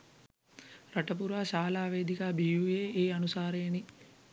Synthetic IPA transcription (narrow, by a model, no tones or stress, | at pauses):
ɾɐʈɐp̬uɾaːʃaːlaːʋeːd̪ikaːbijujeːeːɐnusaːɾeɐni